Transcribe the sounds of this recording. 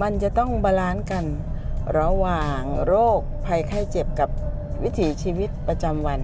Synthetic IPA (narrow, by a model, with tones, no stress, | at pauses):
ma˧nt͡ɕa˨˩ʔt̪ɔ˥˩ŋbaː˧laː˦˥nka˧nɾa˧waː˨˩ŋɾoː˥˩k̚pʰa˧jkʰa˧˥˩jt͡ɕe˨˩p̚ka˨˩p̚wi˦˥t̪ʰiː˩˦t͡ɕʰiː˧wi˦˥t̪̚pɾa˧t͡ɕa˧mwa˧n